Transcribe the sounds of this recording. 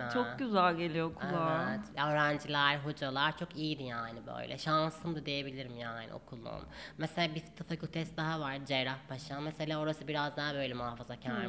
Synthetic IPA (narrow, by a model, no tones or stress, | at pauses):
t͡ʃʰoɟyzælʲɟe̞lʲijo̞kʰuat̪jaøːɾænd͡ʒilʲæɾɦo̞d͡ʒalˠaɾt͡ʃʰo̞kijid̪ijaːnibø̰jlʲɛ̰ʃansɯmd̪ad̪eje̞bilʲiɾimjaːnḭo̞̰kʰulˠṵmmeselʲaːbit̪ʰafakʰylʲˠt̪ʰɛst̪̚d̪aɦavaɾd͡ʒeɾafpʰaʃanmɛselʲaːo̞ɾasɯbiɾazd̪anbø̞jlʲɛmuɦafazacʰanɾi